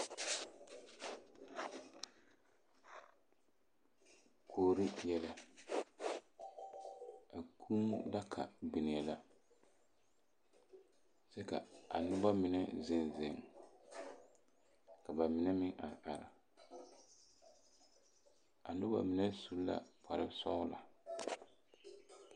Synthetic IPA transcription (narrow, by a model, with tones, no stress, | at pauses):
kʰoː˨ɾi˦jɛ˦la˦ | a˨kʰuː˦la˦kʰa̰˨ɡ͡bɪ˨nɪ˨ɛ˨la˦ | sɛ˦ka̰˨a˨nʊ˦ba˦mɪ˨nɛ˦zɪ˨nzɪ˨ŋ | ka˨ba˨mɪ˨nɛ˦mɪ˦ŋa˨ɾʔa˨ɾa˨ | a˨nʊ˦ba̰˦mɪ˨nɛ˦su˦la̰˦pʰa˨ɾɪ˦sɔ˦la̰˨